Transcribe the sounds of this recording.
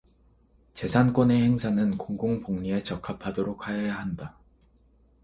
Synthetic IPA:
t͡ɕe̞sʰank͈one̞he̞ŋsʰanɯnkoŋɡoŋpoŋɲie̞t͡ɕʌkʰapʰadoɾok̚ʰhajʌjaɦanda

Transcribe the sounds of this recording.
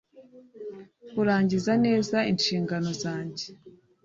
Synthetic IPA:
kuɾaːɲɟizane̞ːzainʃiːŋɡano̞zaːɲɟe

